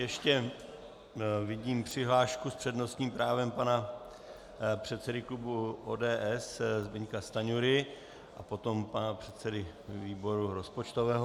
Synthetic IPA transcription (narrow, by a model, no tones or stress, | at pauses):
jɛʃcɛ | vɪɟiːmpr̝̥ɪɦlaːʃkuspr̝̥ɛdno̞st̪ɲiːmpɾaːvɛmpana | pr̝̥ɛt̪sɛdɪklubuʔoːdɛːʔɛszbɛɲkast̪aɲuɾɪ | ʔapo̞t̪o̞mpanapr̝̥ɛt̪sɛdɪ | viːbo̞ɾuɾo̞spot͡ʃt̪ovɛːɦo